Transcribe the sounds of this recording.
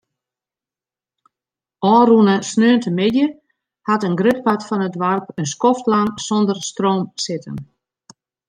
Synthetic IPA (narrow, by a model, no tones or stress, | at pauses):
ɔːnrunəsnøːəntʰəmɪdjə | hatənɡrøt̚patfɔnədʋarpənskɔftlaŋsondərstroːmsɪtə̰n